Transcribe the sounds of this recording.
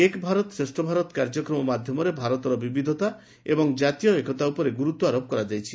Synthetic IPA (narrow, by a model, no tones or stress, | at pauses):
ekbʱaɾɔt̪sɾesʈɔbʱaɾɔt̪ɔkaɾd͡ʒɔkɾɔmɔmad̪ʱjɔmɔɾebʱaɾɔt̪ɔɾɔbibid̪ʱɔt̪a | ebɔŋd͡ʒat̪ijɔekʰɔt̪aupɔɾeɡuɾut̪wɔaɾop̚kɔɾad͡ʒajt͡ʃʰi